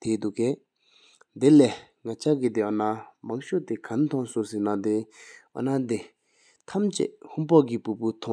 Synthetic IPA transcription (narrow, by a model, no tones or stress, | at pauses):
t̪ʰed̪ukeː | d̪elɛː | ŋat͡ɕʰaɡid̪eɔnamaŋɕoʔt̪ekʰant̪ʰɔŋsosinad̪eʔɔ̰nad̪e | t̪ʰamt͡ɕḛʔhunpɔɡipuput̪ʰɔ